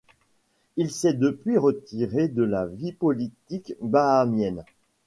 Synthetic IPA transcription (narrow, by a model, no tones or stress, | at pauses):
ilsɛd̪əpɥiʁət̪iʁed̪əlavipɔlit̪ikbaːmjɛn